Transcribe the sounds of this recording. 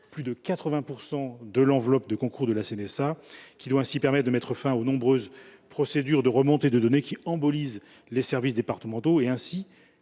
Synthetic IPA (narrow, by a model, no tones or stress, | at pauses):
plyd̪əkat̪χəvɛ̃puʁsɑ̃d̪əlɑ̃vlɔp̚d̪əkɔ̃kuʁd̪əlasenɛsakʲid̪waɛ̃sipɛʁmɛt̪̚d̪əmɛt̪χəfɛ̃onɔ̃bʁøzpχɔsed̪yʁd̪əʁəmɔ̃t̪ed̪əd̪ɔnekʲiɑ̃bɔliz | lesɛʁvisd̪epaʁt̪əmɑ̃t̪oeɛ̃si